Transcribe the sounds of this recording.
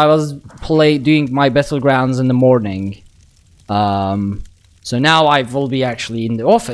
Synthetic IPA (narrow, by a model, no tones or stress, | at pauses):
aɪwʌzpʰl̥eɪdʉɪ̃ŋmaɪbɛɾl̩ˠɡɹãʊ̃ndzɨ̃nðəmɔɹnɪ̃ŋ | ʌ̃m | soʊnaʊaɪɪlˠbiæk̚t͡ʃul̩ˠiɨ̃nðiɔfɨ